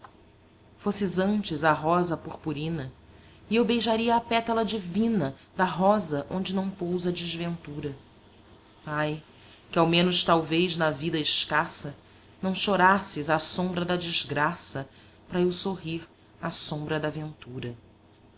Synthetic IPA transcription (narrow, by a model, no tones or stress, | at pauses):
fosɪzɐ̃nt͡ʃɪzɐɦɔzɐpoχpuɾĩnɐ | ɪewbejʒaɾiɐːpɛt̪ɐlɐd͡ʒivĩnɐd̪ɐɦɔzɐʔõ̰nd͡ʒɪnɐ̃w̃powzɐd͡ʒɪzvẽnt̪uɾɐ | aj | kɪawmẽnʊʃt̪awvejznɐvid̪ɐɪʃkasɐ | nɐ̃w̃ʃoɾasɪzasõmbɾɐd̪ɐd͡ʒizɡɾasɐ | pɾɐewsoɦiɾ | asõmbɾɐd̪avẽnt̪uɾɐ